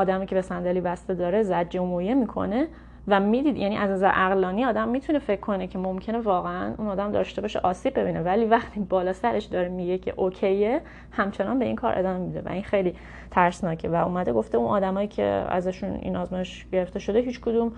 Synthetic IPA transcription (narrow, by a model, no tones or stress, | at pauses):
ɒːd̪æmiːcʰebe̞sænd̪æliːbæst̪ed̪ɒːɾe̞zæd͡ʒːomojemikʰo̞̰ne̞ | væmiːd̪iːd̪jæniʔæznæzæɾʔæɣlɒːniɒːd̪æmːiːt̪ʰunefe̞cʰːo̞necʰe̞mo̞mcʰe̞nevɒːɣeænunɒːd̪æmd̪ɒ̰ʃt̪e̞bɒːʃḛʔɒːsiːb̚bːe̞binevæliːvæχt̪ʰiːbɒːlɒːsæɾe̞ʃd̪ɒːɾemiɟecʰe̞̰ʔocʰe̞je | hæmt͡ʃʰe̞nɒnbeinkʰɒ̰ːɾʔḛd̪ɒːmemid̪e̞̰væ̰inxejliː | t̪ʰæɾsnɒːcʰe̞væuːmæd̪eɡo̞ft̪eunʔɒ̰ːd̪æmɒːjicʰḛæ̰zæʃunḭnɒːzmɒjeʃ | ɟ̥e̞ɾe̞ft̪e̞ʃo̞d̪e̞ɦiːt͡ʃkʰod̪um